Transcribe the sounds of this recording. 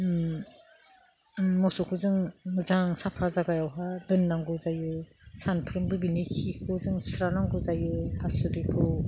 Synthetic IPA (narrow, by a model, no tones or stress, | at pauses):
mɔsɔkʰuzɯŋzaŋsapʰaɾzaɡajawɦadɯnːaŋɡɯzajɯ | sanpʰɯɾɯmbɯbinikʰikʰɯzɯŋsɾanaŋɡuzajɯhasudipʰɯ